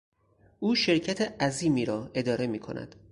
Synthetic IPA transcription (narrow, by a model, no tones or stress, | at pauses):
ʔuːʃe̞ɾcʰæt̪ʰeʔæziːmiːɾɒːʔe̞d̪ɒːɾe̞miːkʰo̞̰nʔæ̰d̪̥